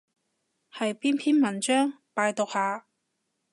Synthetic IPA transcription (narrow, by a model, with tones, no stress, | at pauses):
hɐ˨jpiː˥npʰiː˥nmɐ˨˩nt͡ʃœː˥ŋ | paː˧jt̪o˨k̚haː˨˧